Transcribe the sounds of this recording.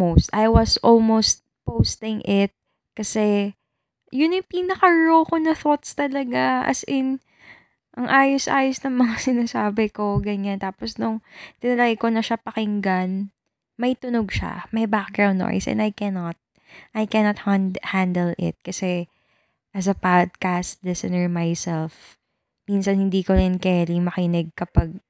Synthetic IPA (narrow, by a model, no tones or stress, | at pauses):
most̪ʔajwɐsʔolmowst̪̚powst̪ɪŋʔɪt̪̚ | kɐsɛ | jʊnɪpiːnɐkɐɹokonɐθot̪st̪ɐlɐɡaʔɐ̰sʔɪn | ʔɐŋʔaːjosʔaːjosnɐŋmɐŋasɪnasaːbɪko̞ɡɐɲant̪aːposnʊŋt̪ɪnɐlɐɡɐkonɐʃapɐkɪŋɡan | mɐʔit̪ʊnoɡ̚ʃa̰mɐjbak̚ɡɹawnd̪ːo̰jsʔɛ̰nd̪ɐjkɛnɐt̪̚ | ʔɐjkɛnot̪̚hhand̪ɛlɪ̰t̪̚kɐsɛ | ʔɐs̬ɐpad̪̚kast̪lɛsɛnɛɹmajsɛlf | minsɐnhɪnd̪iːkoɾɪnkɛːɾimɐkɪnɛɡ̚kɐpaɡ̚